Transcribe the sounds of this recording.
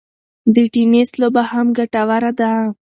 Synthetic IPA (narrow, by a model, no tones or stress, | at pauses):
d̪əʈineslobahamɡaʈawaɾad̪a